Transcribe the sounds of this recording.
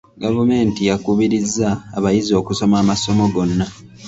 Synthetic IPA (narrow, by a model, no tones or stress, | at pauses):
ɡavume̞ːntijakuβiɾizːaːβajizo̞ːkuso̞maːmaso̞mo̞ɡo̞nːa